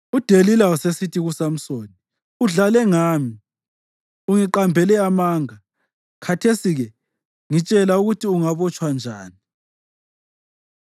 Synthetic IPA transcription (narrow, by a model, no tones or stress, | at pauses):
ud̥ʱelilausesitʰiɣusam̩soːni | uɮalɛŋaːmi | uŋiǃambʱɛlɛamaːŋa | kʰatʰesiɣɛ | ŋit͡ʃʼɛlauɣutʰiuŋaβɔt͡ʃʼwand͡ʒʱaːni